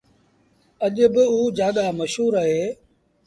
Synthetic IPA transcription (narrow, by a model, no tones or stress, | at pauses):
əʄbɪuːd͡ʒaːɠaːməʃɦuːɾaːɦeː